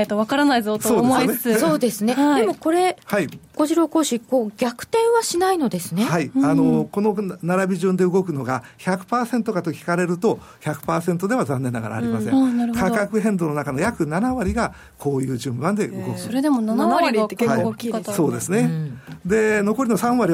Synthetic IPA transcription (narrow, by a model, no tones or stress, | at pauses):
t̪oβakaɾanaizoso̞ːd̪messo̞ːd̪e̞sɨne̞d̪e̞mo̞ko̞ɾe̞haiɡ̥o̞ʑiɾo̞ːko̞ːɕiko̞ːɡʲakɯ̟̥t̪ẽ̞ɰ̃βaɕinaino̞d̪e̞sɨne̞haiano̞ko̞no̞naɾabʲiʑɨ̃nd̪e̞ɯ̟ɡo̞kɯno̞ɡa | çakɯ̟̥paːsent̪o̞kat̪o̞kʲi̥kaɾe̞ɾɯ̟t̪o̞ | çakɯ̥paːsẽ̞nt̪o̞d̪e̞βazãnːe̞nːaɡa̰ɾa̰ːɾimasẽnaɾɯk̪akakɯ̟ɦẽ̞nd̪o̞no̞nakano̞jakɯ̟nanaβaɾʲiɡa | kʰo̞ːjɯ̟ːʑɨ̃mbãnd̪e̞ʔɯ̰ɡo̞kɯoɾed̪emonanaaɾiaiso̞ːd̪e̞sɨne̞d̪e̞no̞ko̞ɾʲino̞sãɰ̃βaɾʲi